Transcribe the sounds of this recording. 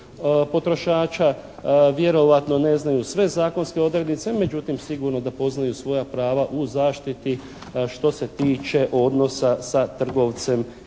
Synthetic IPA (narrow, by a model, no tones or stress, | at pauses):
po̞t̪ɾo̞ʃaːt͡ʃaʋje̞ɾo̞ʋat̪no̞ne̞znajusʋe̞zaːko̞nskeo̞d̪ɾed̪nit̪se̞me̞d͡ʒut̪imsiɡuɾno̞d̪apo̞znajusʋo̞japɾaːʋaʔuzaːʃt̪it̪i | ʃt̪o̞se̞t̪iːt͡ʃe̞ʔo̞d̪no̞sasat̪r̩ɡo̞ʋt̪se̞m